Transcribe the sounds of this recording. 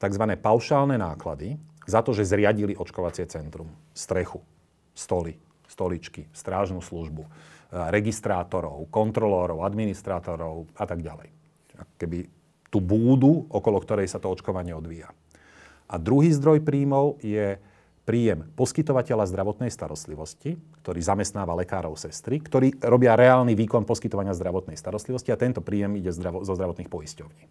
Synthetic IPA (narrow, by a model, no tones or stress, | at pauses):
t̪aɡzʋanɛːpaʊʃaːlnɛnaːkla̰d̪izat̪ɔʒɛzɾɪaɟiliʔɔt͡ʃkɔʋat͡sɪɛt͡sɛnt̪ɾum | st̪ɾɛxu | st̪ɔli | st̪ɔlit͡ʃkist̪ɾaːʒnuːsluʒbuɾɛɡist̪ɾaːt̪ɔɾɔʊkɔnt̪ɾɔlɛːɾɔʊad̪minist̪ɾaːt̪ɔɾɔʊat̪aɡɟa̰lɛ̰j | a̰kɔ̥kɛbi | t̪uːbuːd̪uɔkɔlɔkt̪ɔɾɛjsat̪ɔɔt͡ʃkɔʋaɲɪɛɔd̪ʋiːja | ʔad̪ɾuɦiːzd̪ɾɔjpɾiːmɔʊjɛ | pɾiːjɛmpɔskit̪ɔʋacɛʎazd̪ɾaʋɔt̪nɛjst̪aɾɔst̪liʋɔscikt̪ɔɾiːzamɛst̪naːʋalɛkaːɾɔʊsɛst̪ɾikt̪ɔɾiːɾɔbɪaɾɛaːlniʋiːkɔnpɔskit̪ɔʋaɲɪazd̪ɾaʋɔt̪nɛjst̪aɾɔst̪liʋɔsciat̪ɛnt̪ɔpɾiːjɛmiɟɛzd̪ɾazɔzd̪ɾaʋɔt̪niːxpɔiscɔʊɲiː